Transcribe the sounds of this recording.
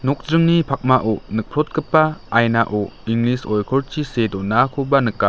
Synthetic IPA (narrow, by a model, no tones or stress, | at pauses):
nɔk̚dɾɯŋnipʰak̚maʔɔnɯk̚pʰɾɔt̚ɡɯpːaːjnaʔoiŋlisɔjkʰɔɾt͡ʃʰisedɔnakʰubanɯkːa